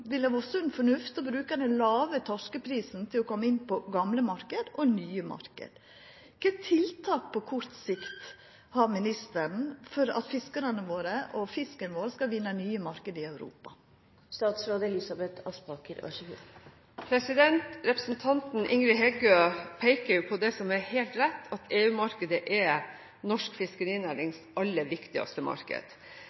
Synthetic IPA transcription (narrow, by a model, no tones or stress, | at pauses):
ʋɪlæːʋɔsɔɛnfɔɳʉft̪ɔbɾʉːkəd̪ɛnlɑːʋət̪ʰɔʂkəpʰɾiːsn̩t̪ʰɪlɔkʰɔmːəɪnːpɔɡɑmləmɑɾkəd̪ɔnyːəmɑ̰ɾkə̰d̪̥ | kɛt̪ʰɪlt̪ʰɑːk̚pʰɔkʰɔɾt̪sɪkt̪ | hɑɾmɪnɪst̪əɳ̩fɔɾɑ̰t̪fɪskəɾənəʋoːɾəʔɔfɪskənəʋoːɾəskɑʋɪnːənyːəmɑɾkəd̪ɪœʉɾṵːpɑ | st̪ɑːt̪sɾoːd̪əlɪsɑbɛt̪ʰɑspɑkəɾɑ̰ʃ | pʰɾɛsɪd̪ɛnt̪ɾɛpɾəsn̩t̪ʰɑnt̪n̩ʔɪŋɾɪɦɛɡøːpʰɛɪkəɾjʊpʰɔd̪ɛsɔmɛɾhɛːlt̪ɾɛt̪ːʰɑt̪ʰeːʉːmɑɾkəd̪əʔɛ | nɔʂkfɪskəɾiːnæːɾɪŋsʔɑlːəʋɪkt̪ɪɡɑ̰st̪əmɑ̰ɾkə̰d̪̥